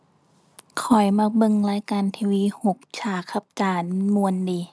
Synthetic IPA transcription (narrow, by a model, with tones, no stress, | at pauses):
kʰɔ˨˩jma˧bɤ˧˨ŋlaː˧˥˦jkaː˨nt̪ʰiː˧wiː˧˥˨ho˧˩˦k̚t͡ɕʰaː˧˩kʰa˧˥p̚t͡ɕaː˧˩nmu˧əndiː˨˧˦